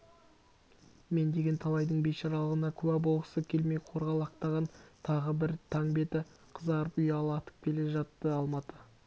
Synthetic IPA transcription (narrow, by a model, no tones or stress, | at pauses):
me̞nd̪e̞ɡʲe̞nt̪ʰɑlˠɑjd̪əɴbe̞t̪ʃɑɾɑlˠəʁənɑkʲʰʉwæbo̞lˠʁəsəkʲʰe̞lme̞jqʰo̞ɾʁɑlˠɑq̚t̪ɑʁɑnt̪ʰɑʁəbɪɾt̪ʰɑŋbe̞t̪ɪ | qʰəzɑɾəpʏjɑlˠɑt̪ə̥p̚kʲʰe̞le̞ʒɑt̪ːəɑlˠmɑt̪ə